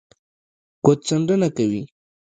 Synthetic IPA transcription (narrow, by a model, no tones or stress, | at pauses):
kot̪̚t͡saɳɖənakawi